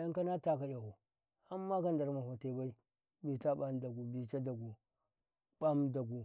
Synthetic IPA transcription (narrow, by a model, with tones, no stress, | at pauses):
ja˦ŋ˦ka˦na˦ta˦k̬a˨ja˨hu˨ | a˦mːa˦ka˦nda˨ɾma˨ho˨te˨ba˦i˦ | bi˨ta˦ɓa˦mda˨ɡu˨bi˨t͡ʃa˦da˨ɡu˨ | ɓa˦mda˨ɡu˨